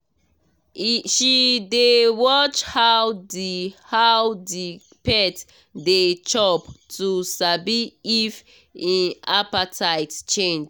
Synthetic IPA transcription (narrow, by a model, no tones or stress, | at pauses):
ʃidewɔt͡ʃhawdihawdi | pɛt | det͡ʃɔptʰusabiːf | ĩnapatʰaɪtt͡ʃẽnd͡ʒ